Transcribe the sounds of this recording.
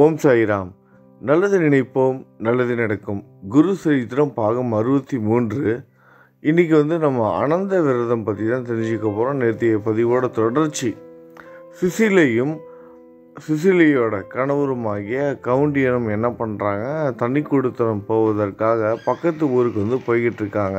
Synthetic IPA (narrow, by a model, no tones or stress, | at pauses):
oːmsaːjɪɾaːm | nɐlːɐðɯnɪɳɐɪpːoːmnɐlːɐðɯnɪɽɐkːɯmɡʊɾusɐɾɪt̪ːɪɾɐmpaːɣɐmɐɾɯbɐt̪ːimuːndrɯ | ɪnːɪk̬ːɯʋɐnd̪ɯnɐmːɐɐ̰nɐnd̪ɐʋɪɾɐðɐmpɐt̪ːɪt̪ãːnt̪ɛɾɪɲd͡ʒɯkːɐpoːɾõːnɛɾt̪ːɪjɐpɐðɪʋoːɽɐt̪ɔɽɐɾt͡ʃːi | sɪsɪlɐjɯm | sɪsɪlɐjoːɽɐkɐɳɐʋɯɾɯmaːɣɪjɐkɐʋɯɳɖɪjɐnɯmɛnːɐpɐɳɾaːŋɡɐt̪ɐɳːɪkːɔɽɯt̪ːɐnɐmpoːʋɐðɐrkaːɣɐpɐkːɐt̪ːɯuːɾɯkːɯʋɐnd̪ɯpoːjɣɪʈːɾɯkːaːŋɡɐ